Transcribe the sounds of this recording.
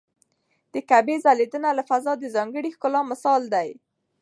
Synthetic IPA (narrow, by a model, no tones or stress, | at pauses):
d̪̥əkabezaled̪ənalafazɑd̪əzɑŋɡəɽixkʊlɑmɪsɑld̪aj